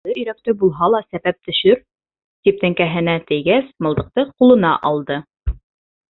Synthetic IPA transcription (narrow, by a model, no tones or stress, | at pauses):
ɤɵ̆jɾæk̚t̪ɘbulˠɦɑlˠɑsæβæp̚t̪ɵ̆ʃɵɾ | t̪ip̚t̪æŋkæɦɘ̆næt̪ɘ̆jɡæsmɤ̆lˠd̪ɤ̆q̚t̪ɤqulˠɤ̆nɑʔɑlˠd̪ɤ